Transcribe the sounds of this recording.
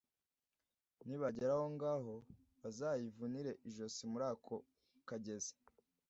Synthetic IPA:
niβaɟeɾaho̞ŋɡaːɦo̞ | βazaːjivuniɾe̞ʔiʒo̞simuɾaːkʰo̞ | kaɟe̞ze̥

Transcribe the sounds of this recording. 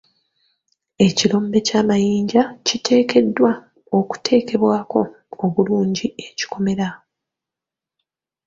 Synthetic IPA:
e̞cilo̞ːmbe̞caːmajiːɲɟacitʰe̞ːke̞dːwa | oku̥tʰe̞ːke̞βwaːko̞ | oβuluːɲɟie̞ci̥kʰo̞me̞ɾa

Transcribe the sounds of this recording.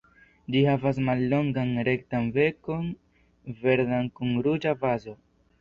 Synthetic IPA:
d͡ʒihavas̬malːo̞ŋɡanɾe̞ktanve̞ko̞n | ve̞ɾdankuŋɾud͡ʒavazo̞

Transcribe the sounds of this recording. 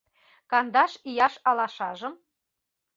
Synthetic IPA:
kɑnd̪ɑʃijɑʃɑlɑʃɑʒɤ̆m

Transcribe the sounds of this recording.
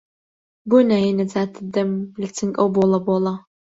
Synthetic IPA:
bʷʊnajɛnɐd͡zaːtʰɨdɐmlɨt͡sʰɨŋkʼɐwbolˠɐbolˠɐ

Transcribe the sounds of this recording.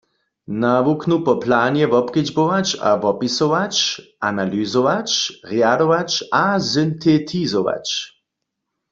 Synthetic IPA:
naʋuknupɔplaːnjɛvɔpkɪd͡ʒbowat͡ʃa̰vɔpisɔʋat͡ʃ | analyzɔʋat͡ʃʁjad̪oʋat͡ʃazynt̪ʰet̪ʰizoʋa̰t͡ʃ

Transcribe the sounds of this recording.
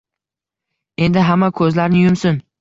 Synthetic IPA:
e̞nd̪ɪɦamːakʰɵzlaɾnɪjʊmsʊn

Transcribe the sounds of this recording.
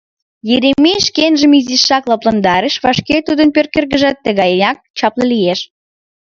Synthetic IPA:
jeɾemiʃkenʒəmiziʃːɑklɑplɑnd̪ɑɾeʃβɑʃket̪ud̪ənpørkerɣəʒɑt̪ːə̆ɣɑjnɑk̚t͡ɕɑpləlijeʃ

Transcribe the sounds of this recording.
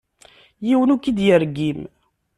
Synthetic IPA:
jiwənukːid̪jəɾɡim

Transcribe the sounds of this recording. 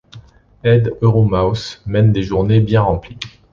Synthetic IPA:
ɛd̪øʁomawsmɛnd̪eʒuʁnebjɛ̃ʁɑ̃pli

